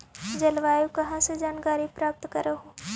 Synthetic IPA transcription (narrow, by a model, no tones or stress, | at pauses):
d͡ʒɐlʋaːjukɐɦãsed͡ʒaːnkaːɾipɾaːp̚t̪kɐɾeɦoː